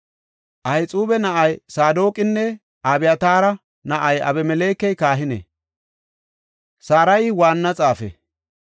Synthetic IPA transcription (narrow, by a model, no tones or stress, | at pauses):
ʔɐjt͡sʼuːbɛnɐʔɐjsaːd̪o̞ːkʼɪnːɛ | ʔaːbɪjɐt̪aːɾɐ | nɐʔɐjɐ̰bɛmɛle̞ːkːɛjkaːɦɪnɛ̰ | saːɾɐjwaːnːɐt͡sʼaːfɛ̰